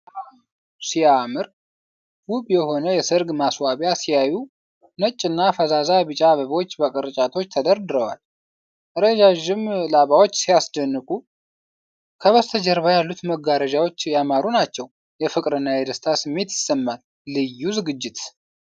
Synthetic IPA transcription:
a | sijamɨɾ | huβjɛho̞nəjɛsɨɾɡmaswaβjasijaju | nət͡ʃʼːɨnːafəzazaβɨt͡ʃʼaβəβo̞t͡ʃːbəkʼɨɾt͡ʃʼat̪ʰo̞t͡ʃːt̪ʰəd̪əɾd̪ɨɾəwa̰l | ʔəɾəd͡ʒaʒɪmlaβawo̞t͡ʃːsijasd̪ənːɨkʼu | kʰəβəst̪ʰəd͡ʒəɾβajalːut̪məɡaɾəd͡ʒawot͡ʃːjamaɾunat͡ʃːɛw | jɛfɨkʼɾɨnːajɛd̪əst̪ʰasɨmːe̞t̪jɪsːəmːalː | ɨjːuzɨɡɨd͡ʒːɪt̪

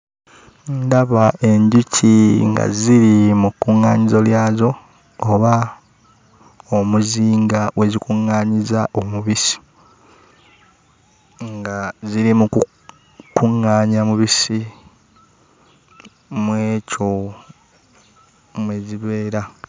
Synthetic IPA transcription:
ndaβaʔe̞ɲɟucʰiŋɡa̰ziɾimukːuŋːaːɲizo̞ljaːzo̞ː | βa | omuziːŋɡawʔe̞zikuŋːaːɲizaʔomuβisi̥ | ŋɡaziɾimuku | kuŋːaːɲamuβisi | mweːcʰo̞ | mweziβe̞ːɾa

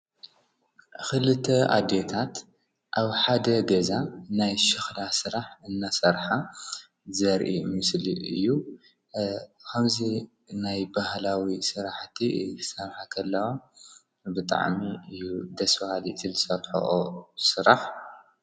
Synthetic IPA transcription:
xɨlɨt̪ʰːɐa̰d̪et̪ʰat̪ | ʔaβħad̪ɐɡɐzanajʃɨxlasɨɾaħɨnːasɐɾħa | zɐɾʔimɨslḭɨ̰jːu | kʰɐmzi | najbahlawisɨɾaħt̪ʰisɐɾħakʰɐlːɐwo | bɨt̪ʼa̰ʕmiɨjːud̪ɐsfhalisɨlɨsɐɾħo̰ʔosɨɾaħ

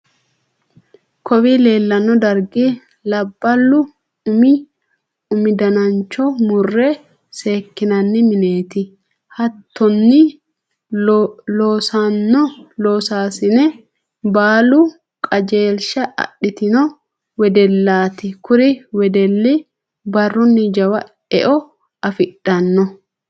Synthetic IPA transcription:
kɔwiːle̞ːlːɐnːɔd̪ɐɾɡi | lɐbːɐlːʊ | ʊmi | ʊmɪd̪ɐnɐnt͡ʃːɔmʊrːɛ | se̞ːkːɪnɐnːɪmɪne̞ːt̪ɪ | hɐt̪ʰːɔnːɪ | loːsanːɔloːsaːsɪnɛ | baːlʊ | kʼɐd͡ʒe̞ːlʃɐɐ̰ɗːɪt̪ɪnɔ | wɛd̪ɛlːaːt̪ɪkʊɾɪwɛd̪ɛlːɪ | bɐrːʊnːɪd͡ʒɐwɐ | ɛ̰ʔɔ | ɐfɪɗːɐnːɔ

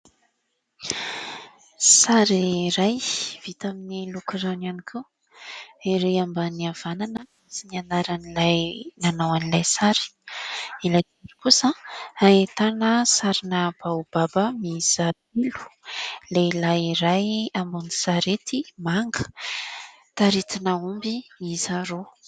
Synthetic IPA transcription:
saɾiɾajv̥it̪aminilukiɾananikʰe | iɾeambəniav̥ananə | sinianaɾanilajnanawanilajsaɾi̥ | ilajd̪enipusaaet̪anəsaɾinəb̥awub̥abəmizad̪ilu̥leilajiɾajambuni̥saɾet̪imaŋɡə̥ | t̪aɾit̪inaumbiizaɾo

